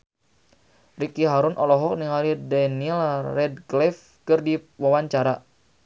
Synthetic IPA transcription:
rikiɦaɾunʔɔlɔɦɔk̚niŋalidɛnilrɛd̚ɡlɛf | kɨrdiwawaɲt͡ʃaɾa

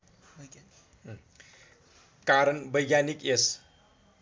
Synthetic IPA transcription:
kaɾənbʌjɡjanikes

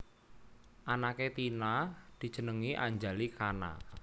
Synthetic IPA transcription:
ʔanaket̪inad̪̥i̤d̥ʒ̥ə̤nəŋiʔa̰ɲd͡ʒalikana̰

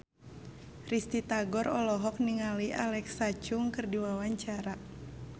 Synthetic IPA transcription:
rist̪it̪aɡɔɾɔlɔɦɔk̚niŋaliʔalɛksat͡ʃuŋkɨrdiwawaɲt͡ʃaɾa

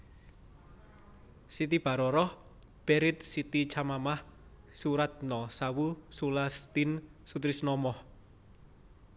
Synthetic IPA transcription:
sit̪ib̥a̤ɾɔɾɔh | b̥eɾɪt̪̚sit̪it͡ʃamamah | suɾat̪̚nɔsawusulast̪insut̪ɾisnɔmɔh

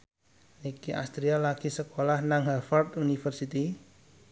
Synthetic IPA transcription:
nikiʔa̰st̪ɾialaɡ̥isəkolahnaŋɦafɔrd̪unifərsit̪i

